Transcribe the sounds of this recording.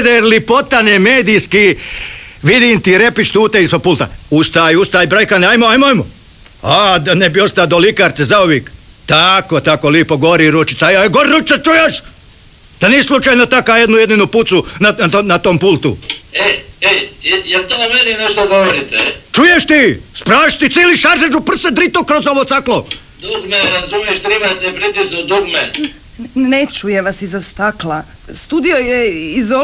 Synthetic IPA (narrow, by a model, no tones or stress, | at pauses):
d̪eɾlipot̪anemeːd̪ijski | ʋid̪iːnt̪iɾepit͡ʃt̪uːt̪eisopulˠt̪a̰ust̪ajust̪aːjbɾajkaneajmoajmoajmo | ad̪anebio̞st̪ad̪olikaɾt̪sezaoʋiːk | t̪akot̪akoliːpoɡoɾiːɾut͡ʃit̪sajaɡoɾɾut͡ʃ̪at͡ʃujeʃ | d̪̥anislˠut͡ʃaːjnot̪akaːjed̪nujed̪ninuput̪sunanat̪oːmpulˠt̪ṵeejelt̪omeninɛʃt̪oɡoʋoɾit̪et͡ʃujeʃt̪ispɾaːʃt̪it̪siliʃaɾʒed͡ʒupr̩sed̪ɾit̪okɾozoʋot̪saklo | d̪uɡmeɾazumieʃt̪ɾimat̪epɾit̪isod̪uɡme | net͡ʃujeʋasizast̪akla | st̪uːd̪ijojeizo